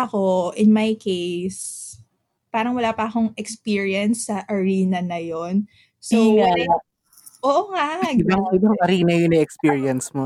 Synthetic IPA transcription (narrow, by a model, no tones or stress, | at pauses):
ʔɐkoʔɪnmajkejs | paːɾɐŋwɐlaːpɐʔɐko̞ŋʔɛkspiɹiɐnsːɐʔɐɹiːnɐnɐjon | so | ʔoːʔoŋadaŋɪbaŋɐɾiːnɐjonɐɛkspiːɹiɐnsmo